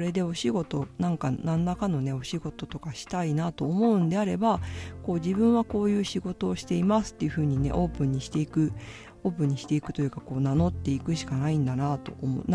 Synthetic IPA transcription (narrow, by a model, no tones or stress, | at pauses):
ɾe̞d̪e̞o̞ɕiɡo̞t̪o̞nãŋkanãnːakano̞ne̞o̞ɕiɡo̞t̪o̞t̪o̞kaɕi̥t̪ainat̪o̞ːmo̞ɯ̟̃nd̪e̞aɾe̞bako̞ːʑibɯ̟̃ɰ̃βako̞ːjɯ̟ːɕiɡo̞t̪o̞ːɕi̥t̪e̞imasɨ̥t̪ːe̞jɯ̟ɸɯ̟ːɲ̟ine̞̰ʔo̞ːpɯ̟̃ɲ̟ːiɕi̥t̪e̞ikɯ̟ | o̞ːp̬ɯ̟̃ɲ̟ːiɕi̥t̪e̞ikɯ̟t̪o̞jɯ̟kako̞ːnano̞t̪ːe̞ikɯ̟ɕi̥kanaĩnd̪anat̪o̞omon